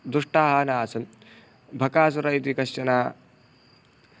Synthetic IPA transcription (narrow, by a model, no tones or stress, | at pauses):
d̪ɾuʂʈaːɦaːnaːsɐm | bʱɐkaːs̬uɾɐjt̪ikɐʃt͡ʃɐnaː